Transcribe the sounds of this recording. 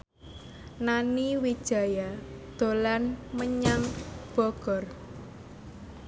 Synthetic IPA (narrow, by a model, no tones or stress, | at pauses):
naniwid̥ʒ̥ä̤jad̪̥o̤lanməɲaŋb̥ɔɡ̥ɔr